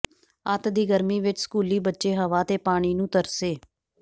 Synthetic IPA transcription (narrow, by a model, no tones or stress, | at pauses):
ət̪d̪iːɡəɾmiːʋɪt͡ʃsə̥kuːliːbətːʃeːɦəʋaːt̪eːpaːɽ̃iːnũːt̪əɾseː